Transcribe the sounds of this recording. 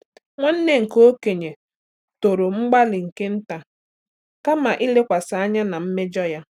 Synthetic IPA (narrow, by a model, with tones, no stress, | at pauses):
ŋʷa˦n̩˦ne˦ŋ̩˨ko˦ke˨ɲe˨ | to˨ɾo˨ŋ͡m̩˦ɡ͡ba˦lɪ˨ŋ̩˨ke˦n̩˦ta˨ | ka˦ma˨ʔɪ˦le˦kʷa˨sa˨a˦ɲa˦na˨m̩˦me˦d͡ʒɔ˦ja˦